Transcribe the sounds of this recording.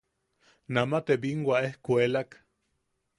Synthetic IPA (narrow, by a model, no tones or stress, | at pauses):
namat̪ebiŋwaehkuelak